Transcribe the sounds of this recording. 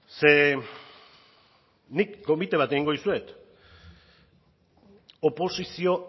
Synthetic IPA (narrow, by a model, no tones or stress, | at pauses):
se̞ | nikːo̞mit̪e̞β̞at̪eiŋɡo̞ðisue̞t̪ | opo̞sisio̞